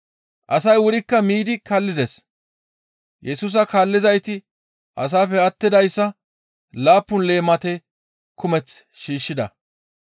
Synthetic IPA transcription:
ʔɐsɐjwʊɾɪkːɐmiːd̪ɪkɐlːɪd̪ɛs | jʔɛsuːs̬ɐkaːlːɪzɐjt̪ɪ | ʔɐs̬aːpːɛɐt̪ːɪd̪ɐjsːɐ | laːpːʊnle̞ːmɐt̪ɛ | kʊmɛt͡s | ʃiːʃːɪd̪ɐ

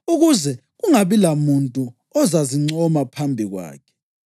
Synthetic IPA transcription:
uɣuzɛɣuŋaβilamuntʼu | ɔzaziŋ͡ǀɔmapʰambʱiɣwa̰ːkʰɛ̥

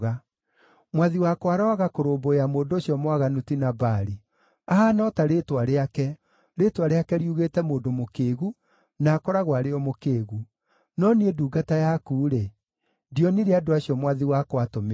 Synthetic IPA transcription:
ɣa | mwaðiwakwaɾɔaɣakoɾoːbojamoːdoːɕjɔmwaɣanutinabaɾi | aɦanɔtaɾeːtwaɾeakɛ | ɾeːtwaɾeakɛɾiuɣeːtɛmoːndomokeːɣu | nakɔɾaɣwaɾeɔmokeːɣu | nɔnieduːɡatajakuːɾe | ndiɔniɾeadoaɕiɔmwaðiwakwatom

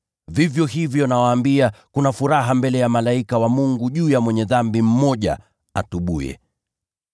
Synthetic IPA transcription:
vivjɔɦivjɔnawaːmbiakunafuɾaɦambɛlɛjamalaikawamuŋɡuʄuːjamwɛɲɛðambim̩mɔʄa̰ | atuɓṵjɛ̰

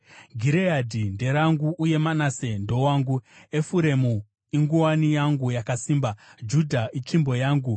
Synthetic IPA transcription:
ɡʱiɾeadʱinde̞ɾaŋɡuʔːje̞manase̞ndo̞waːŋɡuefuɾe̞mu | iŋɡuwanijaŋɡujakasiːmbad͡ʒudʱaʔit͡ʃimbo̞jaːŋɡu

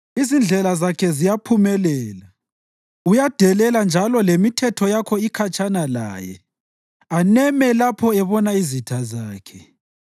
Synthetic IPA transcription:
izind͡ɮʱɛlazakʰɛzijapʰumɛlɛːla | ujad̥ʱɛlɛland͡ʒʱalɔlemitʰɛtʰɔjakʰɔikʰat͡ʃʰʼanala̰ːjɛ̰ | anɛmɛlapʰɔɛβɔnaizitʰazaːkʰɛ̥

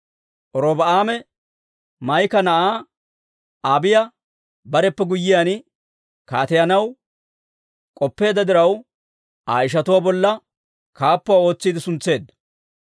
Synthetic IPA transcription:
ʔɔɾoːbɐaːmɛ | mɐjkɐnɐʔaː | aːbɪjɐ | bɐɾɛpːɛɡʊjːɪjaːn | kaːt̪ɛjɐnɐw | kʼɔpːe̞ːd̪ɐd̪ɪɾɐw | a̰ːjɪʃ̬ɐt̪ʊwaːbɔlːɐ | kaːpːʊwao̞ːt͡sːiːd̪ɪsʊnt͡sːe̞ːd̪ːɐ̥

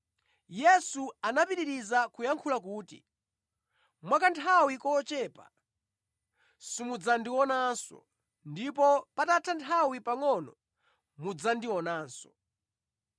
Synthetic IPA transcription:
jɛsuanapiɾiɾizakujaŋkʰulakuːtḭ | mwakantʰawikɔt͡ʃɛːpa̰ | simud͡zandiwɔnansɔ̰ | ndipɔpatatʰantʰawipaŋɔnɔ̰ | mud͡zandiwɔnaːnsɔ̥

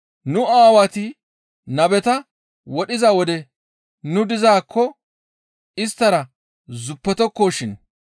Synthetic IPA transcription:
nʊaːwɐt̪ɪ | nɐbɛt̪ɐ | wɔɗɪzɐwɔd̪ɛ | nʊd̪ɪzaːkːɔ | ɪst̪ːɐɾɐ | zʊpːɛt̪ɔkːoːʃɪn

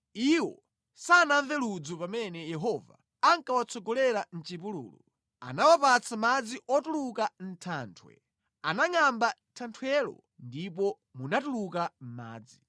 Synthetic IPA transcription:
iwɔ̰ | sanaɱvɛlud͡zɔpamɛnɛjɛɦɔva̰ | aŋkawat͡sʰɔɡɔlɛɾan̩t͡ʃip̬ulṵːlṵ | a̰nawapat͡sʰamad͡ziʔɔtulukan̩tʰaːntʰwɛ̰ | anaŋambatʰantʰwɛlɔ̰ | ndip̬ɔ | munatulukam̩ma̰ːd͡zi

